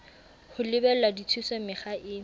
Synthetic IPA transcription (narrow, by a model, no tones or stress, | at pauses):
hʊlɪbɛladit͡sʰusɔmɪχaʔɪ